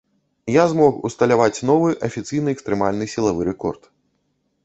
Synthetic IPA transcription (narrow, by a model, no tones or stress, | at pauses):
jazmɔxṵst̪ɐlʲavat͡sʲnɔvɨʔɐfʲit̪sɨjnɨɛkst̪ɾɛmalʲnɨsʲilˠavɨɾɛkɔrt̪